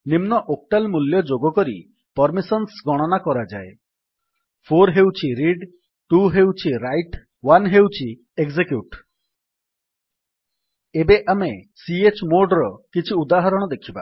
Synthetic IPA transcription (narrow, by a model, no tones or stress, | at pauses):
nimnɔʔok̚ʈalmuljɔd͡ʒoɡɔkɔɾḭ | pɔɾmisɔnsɡɔɽ̃ɔnakɔɾad͡ʒae | pʰoɾɦewt͡ʃʰiɾiɖ | ʈuɦewt͡ʃʰiɾajʈ | wanɦewt͡ʃʰi | eɡzekjuʈ | ebeʔamesiet͡ʃmoɾɖɾɔkit͡ʃʰiud̪aɦɔɾɔɽ̃ɔd̪ekʰiba̰